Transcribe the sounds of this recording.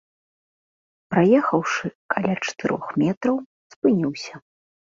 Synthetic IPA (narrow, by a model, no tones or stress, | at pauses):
pɾajɛxɐwʂɨkʰalʲat͡ʂɐ̥t̪ɨɾʔɔ̰xmʲɛt̪ɾɐw | spɨnʲiwsʲɐ